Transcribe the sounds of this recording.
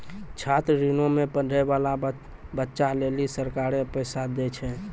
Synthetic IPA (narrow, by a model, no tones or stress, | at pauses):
t͡ʃʰat̪ɾɾinomepəɖʱɛbala | bətːʃalelisəɾkaɾepəjsad̪ɛt͡ʃʰɛ